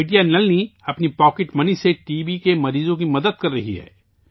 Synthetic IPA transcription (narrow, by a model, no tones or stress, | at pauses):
ʈijanɐlniɐpnipɔːkɪʈmɐniseʈiːʋikemɐɾiːzõkimɐd̪əd̪̚kɐɾːɐɦiɦɛ̰ː